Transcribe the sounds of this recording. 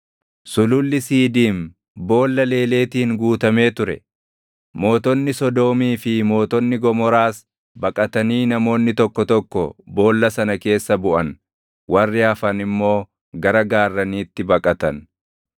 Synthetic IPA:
sʊlʊlːɪsiːd̪iːm | bo̞ːlːɐle̞ːle̞ːt̪iːŋɡuːt̪ɐme̞ːt̪ʊɾɛ | mo̞ːt̪ɔnːɪsɔd̪o̞ːmiːfɪmo̞ːt̪ɔnːɪɡɔmɔɾaːs | bɐkʼɐt̪ɐniːnɐmo̞ːnːɪt̪ɔkːɔt̪ɔkːɔbo̞ːlːɐsɐnɐke̞ːsːɐbʊʔɐn | wɐrːɪɐfɐnɪmːo̞ː | ɡɐɾɐɡaːrːɐniːt̪ːɪbɐkʼɐt̪ɐn

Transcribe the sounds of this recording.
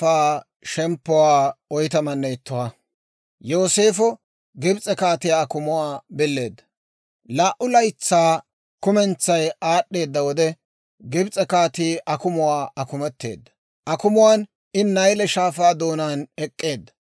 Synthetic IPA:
aː | ʃɛmpːɔwaːɔjt̪ɐmɐnːɛɪt̪ːʊwɐ | jo̞ːse̞ːfɔ | ɡɪbt͡sʼɛkaːt̪ɪjakʊmʊwaːbɪlːe̞ːd̪ːɐ̥ | laːʔːʊlɐjt͡sːaː | kʊmɛnt͡sːɐjaːɗːe̞ːd̪ːɐwɔd̪ɛ | ɡɪbt͡sʼɛkaːt̪iːʔɐkʊmʊwaːʔɐkʊmɛt̪ːe̞̰ːd̪ːɐ̥ | ʔɐkʊmʊwaːn | ɪnnːɐjlɛʃaːfaːd̪o̞ːnaːnɛkʼːe̞ːd̪ːɐ̥

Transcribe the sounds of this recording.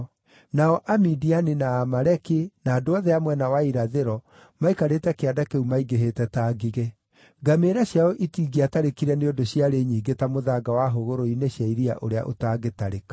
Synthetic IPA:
naɔʔamidianinaːmaɾɛkenaːdoɔðɛamwɛnawaiɾaðeɾɔ | maikaɾetɛkeadakeumaiɡeɦetɛtaɡiɣe | ɡameɾaɕjaɔʔitiɡiataɾekiɾɛneodoɕjaɾeɲiːɡetamoðaɡawaɦoɣoɾoineɕjaiɾia̰ʔo̰ɾea̰ʔo̰taːɡetaɾekḁ

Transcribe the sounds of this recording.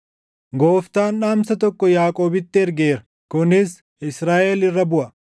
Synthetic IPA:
ɡo̞ːft̪aːnᶑaːmsɐt̪ɔkːɔjaːkʼoːbɪt̪ːɪɛɾɡeːɾɐ | kʊnɪs | ɪsɾaːʔelɪrːɐbʊʔɐ

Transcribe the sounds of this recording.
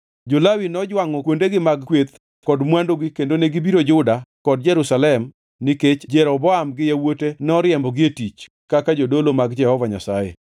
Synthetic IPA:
d͡ʒolawinɔd͡ʒwaŋɔkwondeɡɪmaɡkwet̪ | kɔdmwandoɡɪkendoneɡibiɾod͡ʒʊdakɔd̚d͡ʒɛɾusalɛm | niket͡ʃd͡ʒɛɾɔbɔamɡɪjawotenɔɾɪjɛmbɔɡɪetit͡ʃ | kakad͡ʒodolomaɡd͡ʒɛhɔvaɲa̰sajḛ

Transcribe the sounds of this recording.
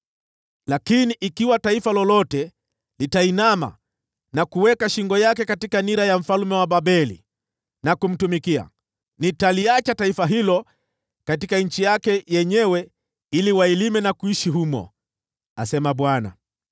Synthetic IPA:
lakiniʔikiwataifalɔlɔtɛ | litainama̰ | nakuwɛkaʃiŋɡɔjakɛkatikaniɾajam̩falumɛwaɓaɓɛlḭ | nakum̩tumikia̰ | nitaliat͡ʃataifaɦilɔ | katikaɲ̩t͡ʃijakɛjɛɲɛwɛ | iliwailimɛnakuiʃiɦumɔ̰ | a̰sɛmaɓwana̰

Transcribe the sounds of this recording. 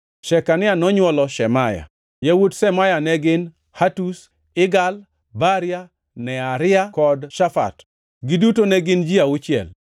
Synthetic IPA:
ʃɛkanɪanɔɲwɔlɔʃɛmaja̰ | jawudsɛmajanɛɡɪn | hatus | ɪɡal | baɾɪja | nɛaɾɪakɔdʃafa̰t | ɡɪdutonɛɡɪnd͡ʒiaut͡ʃɪɛ̰l

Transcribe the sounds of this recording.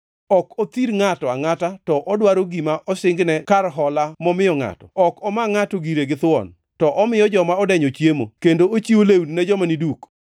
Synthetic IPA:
ɔkɔt̪iɾŋatɔaŋatatɔʔɔdwaɾoɡimaʔɔsɪŋɡnɛkarɦɔlamɔmɪjɔŋa̰tɔ̰ɔkɔmaŋatoɡiɾeɡɪt̪ʊɔ̰n | tɔʔɔmɪjɔd͡ʒɔmaɔdɛɲɔt͡ʃjemo̰kendoot͡ʃiolewnnɛd͡ʒɔmaniduk

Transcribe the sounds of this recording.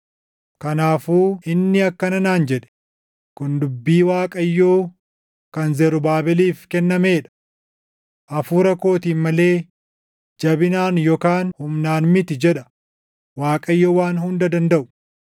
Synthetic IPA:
kɐnaːfuːɪnːɪɐkːɐnɐnaːnd͡ʒɛᶑɛ̥ | kʊnd̪ʊbːiːwaːkʼɐjːoː | kɐnzɛɾʊbaːbɪliːfkɛnːɐme̞ːᶑɐ̥ | ʔɐfuːɾɐko̞ːt̪iːnmɐle̞ː | d͡ʒɐbɪnaːnjɔkaːnhʊmnaːnmɪt̪ɪd͡ʒɛᶑɐ̥ | waːkʼɐjːoːwaːnhʊnd̪ɐd̪ɐnd̪ɐʔʊ̥

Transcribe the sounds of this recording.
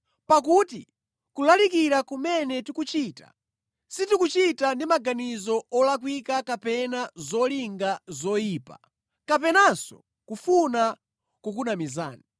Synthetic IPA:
pak̬uti | kulalik̬iɾakumɛnɛtikut͡ʃiːta̰ | sitikut͡ʃitandimaɡanizɔɔlakwikakapɛnazɔliŋɡazɔjiːpa̰ | kap̬ɛnasɔ̰ | kufuna | kuk̬unamiza̰ːni

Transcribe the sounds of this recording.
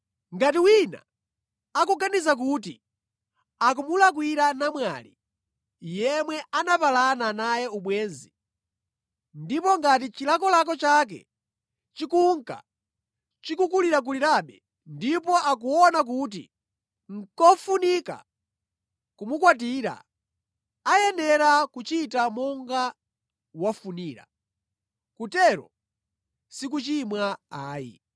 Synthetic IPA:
ŋɡatiwina̰ | akuɡanizak̬utḭ | ak̬umulak̬wiɾanamwa̰lḭ | jɛmwɛanapalananajɛuɓwɛːnzi | ndipɔŋɡat̬it͡ʃilak̬ɔlak̬ɔt͡ʃak̬ɛ̰ | t͡ʃikuŋka̰ | t͡ʃikukuliɾak̬uliɾaɓɛ | ndip̬ɔʔak̬uɔnak̬ut̬ḭ | ŋ̩kɔfunika̰ | kumukwat̬iːɾa̰ | ajɛnɛɾakut͡ʃitamɔŋɡa | wafuniːɾa̰ | kutɛɾɔ̰ | sik̬ut͡ʃimwaaːjḭ

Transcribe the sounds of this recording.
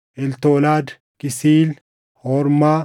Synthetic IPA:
ʔɛlt̪oːlaːd̪ | kɪsiːl | hɔɾmaː

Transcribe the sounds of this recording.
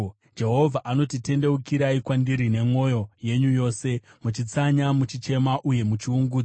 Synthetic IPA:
d͡ʒe̞ɦo̞vʱaʔano̞tite̞nde̞ukiɾaikwandiɾine̞mo̞jo̞je̞ɲujo̞ːse̞mut͡ʃit͡saɲamut͡ʃit͡ʃe̞maʔuje̞mut͡ʃiuŋɡuːd͡za

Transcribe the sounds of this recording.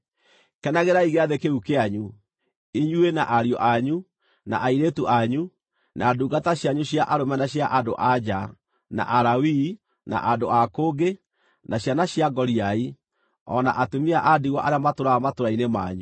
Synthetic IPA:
kɛnaɣeɾaiɣeaðekeɾukeaɲu | iɲuenaʔaɾiɔʔaɲu | na̰ʔaiɾetuʔaɲu | naːduɡataɕjaɲuɕjaʔaɾomɛnaɕjaʔadoʔad͡ʑa | na̰ʔaɾawi | na̰ʔandoakoːɡe | naɕanaɕjaɡɔɾiai | ɔ̰na̰ʔatomiaʔadiɣwɔʔaɾeamatoɾamatoɾainema̰ɲu

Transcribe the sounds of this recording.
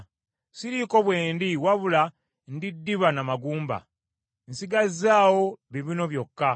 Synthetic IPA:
siɾiko̞βweːndiwaβula | ndidːiβanamaɡuːmba̰ | nsiɡazaːwo̞βiβino̞βjo̞kːa

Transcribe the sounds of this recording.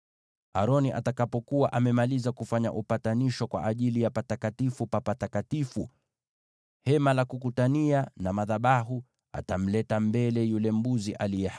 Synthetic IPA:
a̰ɾɔniʔa̰takapɔkuwaʔamɛmalizakufaɲa̰ʔupataniʃɔkwa̰ʔːʄilijapatakatifupapatakatifu | hɛmalakukutanianamaðaɓaɦu | a̰tam̩lɛtambɛlɛjulɛm̩buziʔalijɛ

